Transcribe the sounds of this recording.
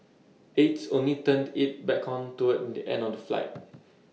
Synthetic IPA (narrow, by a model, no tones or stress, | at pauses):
etsõnlitə̃ndit̚bɛkʰɔ̃ntuətɛ̃ndiʔɛ̰̃ndɔfdəfla̰ɪt̚